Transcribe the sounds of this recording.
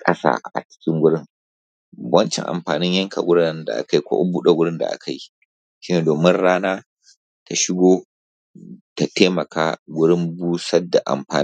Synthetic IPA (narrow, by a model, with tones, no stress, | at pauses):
kʼɐ̰˦sa̰ː˦˨ʔa̰˨t͡ʃɪ̥˦kʲɪ˦ŋɡʷʊ˦ɽɪ˦ŋ | wɐ˦nt͡ʃɛ̰˨ŋʔa̰˨mɸaː˨nɪ˦ɲjɐ˦ŋkʰa̰˨ɡʷʊ˦ɽɪ˦nda̰˨ʔa̰˨ka˦jkʷo̰˦ʔbuː˦ɗa˨ɡʷʊ˦ɽɪ˦nda̰˨ʔa̰˦kʰa˨ji˦ | ʃi˦neː˨doː˨mɪ˦nɽaː˦naː˦ | tʰa˨ʃɪ˦ɡʷoː˦ | ta˨teː˦mɐ˨kaː˦ɡʷʊ˦ɽɪ˦mbuː˦sɐ˦dːa˨ʔa̰˨mɸaː˨